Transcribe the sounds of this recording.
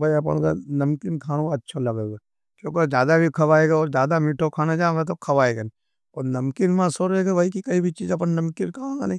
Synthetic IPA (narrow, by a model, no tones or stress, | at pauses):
bʱɐiɐp̬ə̰nka̰nɐmkɪnkʰaːñõkɐtːʃʰalɐɡeːɡa | kjõːked͡ʒjaːd̪abʱikʰɐʋaːeɡaɔːɾd͡ʒaːd̪amiːʈʰokʰaːnad͡ʒaːmet̪̬okʰɐʋaːeɡen | oːɾnɐmkinmãsoɾeɡebʱaikikɐibʱit͡ʃiːd͡ʒɐp̬ənnɐmkinkʰɐaːɡanĩ